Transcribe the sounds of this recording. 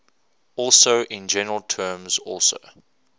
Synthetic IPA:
ɔˑlˠsoʊʔɪ̃nd͡ʒɛnəɹəlˠtʰɜːmzɔlˠso̰ʊ

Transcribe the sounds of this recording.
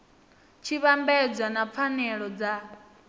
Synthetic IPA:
t͡ʃʰiβambɛd͡zʷanap̪fʰanɛɺɔd͡za

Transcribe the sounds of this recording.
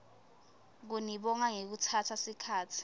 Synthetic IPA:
k̬uniɓɔŋaŋek̬utʰatʰasikʰaːtʰi̥

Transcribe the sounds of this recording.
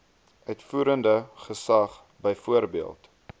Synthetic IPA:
ʔœɥtfuːɾəndəχəsɐχ | bəjfuəɾbiəlˠt

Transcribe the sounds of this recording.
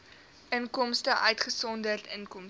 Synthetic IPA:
ʔənkɔmstəʔœɥtχəsɔndərtənkɔm

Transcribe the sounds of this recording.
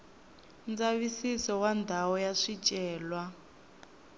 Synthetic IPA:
nd͡zaβisisɔwandʱaɔjaʂit͡ʃʼɛːlwa

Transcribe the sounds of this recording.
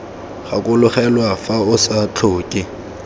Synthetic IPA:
χakʼʊlʊχɛlwafaʊsat͡ɬʰoːkʼɪ

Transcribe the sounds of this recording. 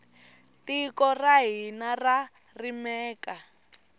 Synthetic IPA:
tikɔraɦinara | rimɛːka

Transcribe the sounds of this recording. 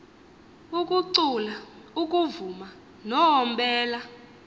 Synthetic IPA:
ukʼuǀula | uk̬ʼuvuma | nɔɔmbɛːla

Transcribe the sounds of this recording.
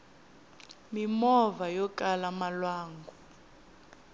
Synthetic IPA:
mimɔvajɔkʼalamalwaːŋɡʱu

